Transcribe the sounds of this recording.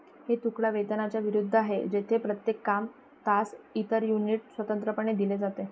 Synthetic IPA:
het̪ukɭaʋed̪ənat͡ɕjaʋiɾud̪ʱːəaɦed͡ʑet̪ʰepɾət̪jekːam | t̪asit̪əɾjuniʈsʋət̪ənt̪ɾəpəɳ̃ed̪iled͡zat̪e

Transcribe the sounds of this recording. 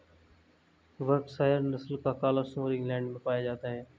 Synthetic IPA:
ʋəɾbsaːɦɾnəsəlkaːkaːlaːsʊ̃ɾɪ̃ŋɡlɛ̃ːɳɖmẽpaːjad͡ʒaːt̪aːɦeː

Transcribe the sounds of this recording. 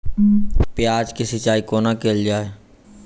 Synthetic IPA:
pɪjaːd͡ʒkisət͡ʃaːikoːnakeːld͡ʒaːe

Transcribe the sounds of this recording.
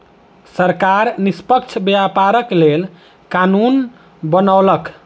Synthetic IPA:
səɾkaɾnispəkt͡ʃʰbeapaɾəklel | kanun | bənalək

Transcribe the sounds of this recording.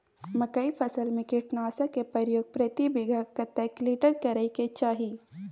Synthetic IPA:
mɐkɐifʰɐsəlmẽkɪʈnaːsakepɐɾjoːɡ̚pɾɐt̪ibɪɡʱakɐt̪ɛkliːʈəɾkɐɾəiket͡ʃaːɦi

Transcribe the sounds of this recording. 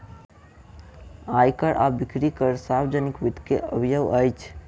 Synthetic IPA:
ajkəɾʔa̰bikɾikəɾsabd͡ʒənikʋid̪ʱkeə̰bʱijəwəjt͡ʃʰ

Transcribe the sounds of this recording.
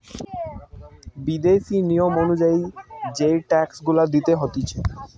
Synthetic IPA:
bid̪efinijomonud͡ʑaid͡ʑeʈɛksɡulad̪it̪eɦot̪it͡ɕʰe

